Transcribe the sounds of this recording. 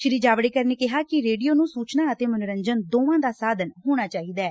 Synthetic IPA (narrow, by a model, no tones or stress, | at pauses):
ʃɪɾiːd͡ʒaːʋɽeːkəɾneːkɪɦaːkɪɾeːɖiːjoːnũːsuːt͡ʃnaːət̪eːmənʊɾəɲd͡ʒənd̪oːʋãːd̪aːsaːd̪ənɦoːɽ̃aːt͡ʃaːiːd̪aɛː